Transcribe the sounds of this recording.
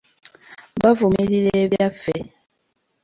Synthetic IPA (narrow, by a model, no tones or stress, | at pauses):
bavumililebjafɛ